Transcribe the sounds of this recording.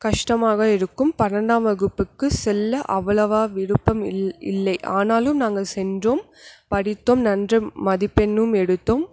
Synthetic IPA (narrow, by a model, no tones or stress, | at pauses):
kɐʂʈɐmaːɣɐɪɾɯkːɯmpɐɾɐɳɖaːmʋɐɣɯpːɯkːɯsɛlːɐʔɐʋɐlɐʋaːʋɪɽɯpːɐmɪ̰lːɐɪʔaːnaːlɯmnaːŋɡɐsɛndroːm | pɐɽɪt̪ːoːmnɐndrɯmɐðɪpːɛnːɯmɛɽɯt̪ːoːm